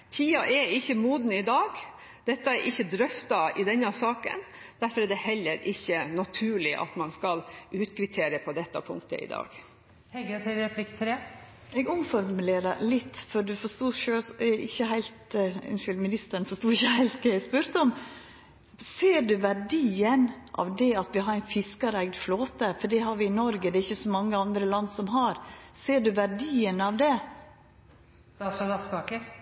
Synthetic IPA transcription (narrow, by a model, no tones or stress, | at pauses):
t̪ʰiːɑʔɛɪçːəmuːd̪nəɪd̪ɑːɡ | d̪̥ɛt̪ːɑɛɾʔɪçːəd̪ɾœft̪ɑɪd̪ɛnːɑsɑːkə̰n | d̪̥æɾfɔɾɛd̪ɛhɛlːəɾɪçːənɑt̪ʰʉːɭɪʔɑ̰t̪mɑnskɑlʉːt̪kʰɾɪt̪ʰeːɾəpʰɔd̪ɛt̪ːɑpʰʊ̰ŋkt̪ə̰ʔɪ̰d̪ɑ̰ːɡ̥ | hɛɡt̪ʰɛlɛpʰlɪkt̪ʰɾeː | ɛːɡʊmfɔɾmmʉleːɾəɾlɪt̪ːfɔɾɖ̪ʉfɔʂt̪uːʃøːɛɪçːəɦæɪlt̪ɪ̰nʃyːlmɪnɪst̪əɾən̩fɔʂt̪uːɾɪçːəhæɪlt̪kəæspʉɾt̪əɔm | seːɖʉʋæɾɖiːənʔɑ̰ʋd̪ɛɑt̪ʋɪɦɑɾæɪnfɪskəɾæɪɡd̪floːt̪əfɔɖɛɦɑɾʋɪɪnɔɾɡəd̪ɛɾɪçːəsɔmɑŋːəɑnd̪ɾəlɑnːsɔmɦɑɾseːɖʉʋæɖiːənɑʋd̪ɛ | st̪ɑːsɑd̪ɑsbɑːkəɾ